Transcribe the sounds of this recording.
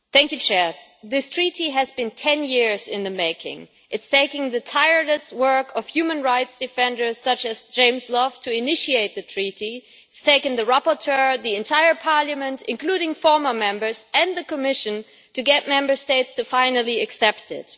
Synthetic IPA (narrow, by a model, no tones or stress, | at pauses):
θæ̃ŋkjʉt͡ʃʰɛɹ | ðɪstʰɹ̥iɾiɨzbɨ̃ntʰɛ̃njɪɹzɪ̃nðɨmeɪkʰɪ̰̃ŋ | ʔɨtstʰeɪkɪ̃ŋðɨtʰaɪə˞dɨst̚wɜ˞kʌv̥hjʉmə̃nɹaɪtsd̥ɨfɛ̃ndə˞z̥sʌt͡ʃɨzd͡ʒẽɪ̃mzlɔvtʰɨɪnɪʃieɪt̪̚ðɨtʰɹ̥iɾi | ɪtstʰeɪkɨ̃nðɨɹapə˞tʰɜ˞ðiɨ̃ntʰaɪə˞pʰɑɹlˠjəmɨ̃ntɨ̰̃nkʰl̥uɾɪ̃ŋfɔɹmə˞mɛ̃mbə˞z̥ɨ̃nðɨkəmɪʃɨ̃n | tʰɨɡɛt̚mɛ̃mbə˞steɪtstʰɨfãɪ̃nl̩ˠiɨksɛp̚tɪ̰t